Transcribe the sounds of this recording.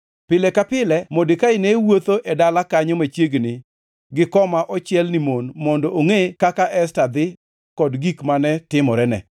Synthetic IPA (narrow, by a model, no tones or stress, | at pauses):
pɪlɛkapɪlɛmodɪkaɪnewot̪oʔɛdalakaɲomat͡ʃjeɡnɪ | ɡɪkɔmaʔɔt͡ʃɪɛlnimonmɔndɔʔoŋekakaʔɛstad̪ɪ | kɔdɡikmanɛtɪmɔɾɛnɛ̰